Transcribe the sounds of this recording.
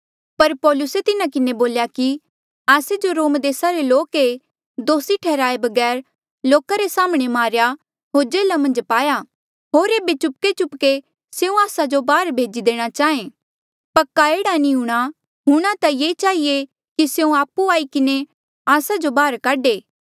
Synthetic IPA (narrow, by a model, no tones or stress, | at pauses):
pɐɾpɔːlʊset̪ɪnakɪneboːljaki | aːsed͡ʒoɾoːmd̪eːsaɾeloːke | d̪oːsiʈʰɛːɾaːebɐɡɛːɾ | loːkaɾesaːməɽ̃emaːɾja | ɦoːɾd͡ʒeːlamɐ̃nd͡ʒpaːja | ɦoːɾeːbet͡ʃʊp̚ket͡ʃʊpke | seũaːsad͡ʒobaːɾbʱeːd͡ʒid̪eːɽ̃at͡ʃaːẽː | pɐkːaeːɽaniɦʊɽ̃a | ɦʊɽ̃at̪ajeːt͡ʃaːɦie | kisjeũaːpːuaːikɪne | aːsad͡ʒobaːɾkaɖeː